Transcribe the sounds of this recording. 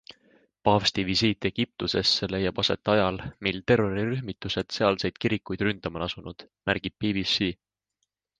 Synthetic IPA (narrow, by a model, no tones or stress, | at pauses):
pɑfst̪ivisiːt̪ːˑe̞ɡ̥ip̚t̪use̞sːe̞le̞jːɑb̥ɑse̞̰t̪ːˑeɑjɑlmilt̪e̞rːo̞ɾiɾyɦmit̪ːˑuse̞d̪̥se̞ɑlse̞jd̪̥kiɾikːˑujd̪̥rynd̪̥ɑmɑnɑsunud̪̥ | mæɾɡ̥ib̥̚pivisi